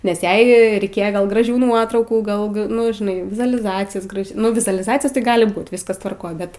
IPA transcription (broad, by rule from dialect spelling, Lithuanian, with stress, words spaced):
nʲɛs ˈjɛɪ rʲɛɪˈkʲeːjɛ ɡɐlˠ ɡrɐˈʒʲuː ˈnuɔtrɐʊkuː ˈɡɐlˠ ɡɐ ˈnʊ ʒʲɪˈnɐɪ ʋʲɪzʊɐlʲɪˈzɑːt͡sʲɪjoːs ˈɡrɑːʒʲeː ˈnʊ ʋʲɪzʊɐlʲɪˈzɑːt͡sʲɪjoːs tɐɪ ˈɡɑːlʲɪ ˈbuːt ˈʋʲɪskɐs tʋɐrˈkoːj ˈbʲɛt